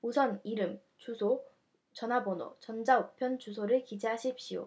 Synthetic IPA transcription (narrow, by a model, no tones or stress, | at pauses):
usʰʌniɾɯm | t͡ɕusʰo | t͡ɕʌnɦabono̰t͡ɕʌnd͡ʑaopʰjʌnt͡ɕusʰoɾɯɭkid͡ʑiɦaɕʰiɭp̚ɕ͈ijo̰